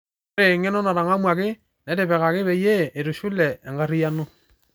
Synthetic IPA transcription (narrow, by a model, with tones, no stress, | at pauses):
ɾe˨ŋe˦nɔ˦na˨ɾa˨ŋa˦mwa˨kɪ˦ | nɛ˨˦ɾe˨pɛ˨ka˨kɪ˦βɛ˨je˦e˨ɾu˨ʃu˦lɛ˨ɛ˨ŋɡa˦ɾi˦ja˦no˦